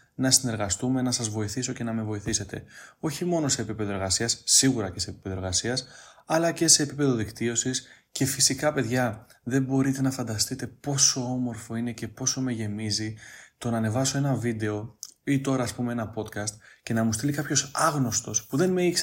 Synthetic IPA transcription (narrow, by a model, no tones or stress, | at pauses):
nɐsine̞ɾɣɐst̪ume̞nɐsɐzvo̞iθiso̞ce̞nɐme̞vo̞iθise̞t̪e̞̰o̞çimo̞no̞se̞ːpipe̞ðoe̞ɾɣɐsiɐsːiɣuɾɐce̞se̞pi̥pe̞ðoeɾɣɐsiɐsɐlɐce̞se̞ːpipe̞ðo̞ðikt̪io̞sis | ce̞fisikɐpe̞ðʝɐ | ðe̞mbo̞ɾit̪e̞nɐfɐnd̪ɐst̪it̪e̞po̞so̞o̞mo̞ɾfo̞ine̞ce̞po̞so̞me̞ʝe̞mizit̪o̞nɐːne̞vɐso̞e̞nɐvid̪e̞o̞it̪o̞ɾɐːspume̞e̞nɐpo̞t̪kɐst̪ce̞nɐmust̪ilikɐpço̞sɐɣno̞st̪o̞spuðe̞nme̞içs